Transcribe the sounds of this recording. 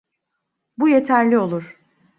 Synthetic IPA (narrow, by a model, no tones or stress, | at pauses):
bujet̪ʰæɾlʲio̞lˠuɾ̥